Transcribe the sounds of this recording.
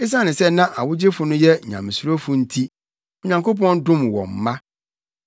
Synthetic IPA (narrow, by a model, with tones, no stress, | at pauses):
e˦s̬ã˦nɪ̃˨sɛ˦nã˦ʔa̰˨wʊ˦d͡ʑe˦fʊ˨nʊ̃˦jɛ˦˨ɲã̰˨m˨su˨˦ɾo˦fʊ˨n̩˦tʰi˦ | ɔ˨ɲã˨ŋko˦p̬ɔ̃˦n˦dʊ̃˦mwɔ̰̃˨m̩˨mã˦